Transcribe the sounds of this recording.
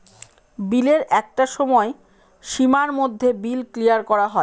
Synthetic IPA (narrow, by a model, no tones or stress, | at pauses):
bileɾɛk̚ʈaʃɔmɔe | ʃimaɾmod̪ʱːebilklijaɾkɔɾaɦɔe